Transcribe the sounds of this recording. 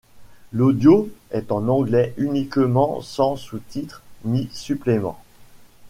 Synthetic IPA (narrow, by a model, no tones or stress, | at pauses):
lod̪joɛt̪ɑ̃nɑ̃ɡlɛʔynikmɑ̃sɑ̃sut̪it̪χnisyplemɑ̰̃